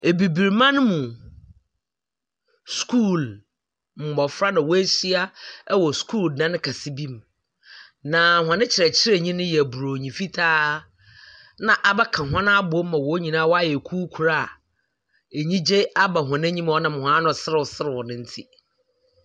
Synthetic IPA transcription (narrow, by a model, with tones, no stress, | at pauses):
e˨bi˨bi˨ɾmã˦nʊ̃˦mũ˨ | skʰu˦˨l | m̩˨mɔ˨fɾa˦nã˨wɔ˦æ˦si˦a˦ɛ˦wɔ˨skʰuː˦˨lnã˦nɪ̃˦kʰa˨si˦bi˦m | nã˨hã˨nɪ̃˦t͡ɕʰɪ˨ɾɛ˨t͡ɕʰɪ˦ɾe˨ɲĩ˦nʊ̃˦jɛ˨æ˨bu˨ɾo˨ɲĩ˨fi˦tʰaː˦ | nã˨ʔa˨bɛ˦kʰã˨ɦã˦nã˦a˦bʊ˨o˦m˦mã˨wɔ˨˦ɲĩ˨nãː˦wɔ˦a˦jɛ˨kʰuː˦kʰu˨ɾa˦˨ | e˨ɲĩ˦d͡ʑe˦a˦ba˨ɦã˨nɪ̃˦ɲĩ˦m˦ɔ˦nã˨m˨hã˦nʊ̃˨sɪ˦ɾɪ˦˨wɔ˨sɪ˦ɾɪ˨wɔ˨nɪ̃˦n̩˦tʰi˦